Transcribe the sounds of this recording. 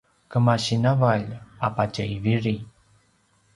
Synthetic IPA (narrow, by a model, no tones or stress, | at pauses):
kəmaɕinavaʎapat͡ʃəiviɾi